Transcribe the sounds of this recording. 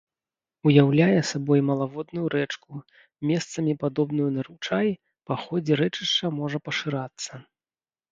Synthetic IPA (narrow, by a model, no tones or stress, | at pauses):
ujawlʲajɛsabɔjmɐlˠavɔd̪̚nujuɾɛt͡ʂku | mʲɛst̪sɐmʲipad̪ɔbnujunɐɾut͡ʂaj | paxɔd͡zʲɛɾɛt͡ʂɨʂt͡ʂɐmɔʐɐpɐʂɨɾat̪sːɐ